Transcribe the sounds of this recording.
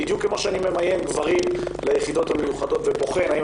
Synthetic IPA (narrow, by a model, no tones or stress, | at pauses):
id̪jukːemaʃeanime̞majelɡvaʁimlajeχid̪o̞t̪hamejuχad̪o̞t̪vebo̞χe̞nai